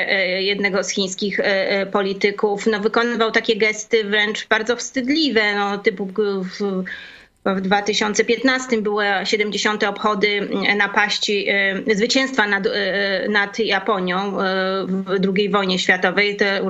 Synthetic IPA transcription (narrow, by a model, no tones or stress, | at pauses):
jɛd̪nɛɡɔsxʲij̃skʲixpɔlʲit̪ɘkufnɔvɘkɔnɘvawt̪akʲɛɡɛst̪ɘvɾɛnt͡ʂb̥aɾd̪zɔfst̪ɘd̪lʲivɛnɔt̪ɘpuv | vd̪vat̪ɘɕɔnt̪sɛpʲjɛt̪nast̪ɘmbɘwɛɕɛd̪ɛmd͡ʑeɕɔnt̪ɛɔpxɔd̪ɘnapaɕt͡ɕizvɘt͡ɕɛ̃w̃st̪fanad̪nat̪japɔɲjɔ̃w̃vd̪ɾuɡʲejvɔjɲɛɕfʲjat̪ɔvɛjt̪ɛ